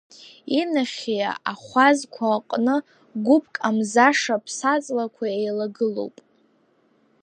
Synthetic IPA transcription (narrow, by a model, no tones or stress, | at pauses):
inaχʲija̰aχʷazkʷʰaːqʼnɨ | ɡʷʊp̚ʰʼkʼamzaʂapʰsat͡sʼlakʷʰaejlaɡɨlo̰wpʼ